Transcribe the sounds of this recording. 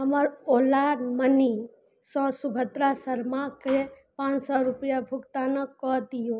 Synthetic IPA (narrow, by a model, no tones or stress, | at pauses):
ɦəməɾolaməni | sə̃subʱət̪ɾasəɾmake | pãt͡ʃsɔɾupijabʱukt̪anəkɔd̪ijo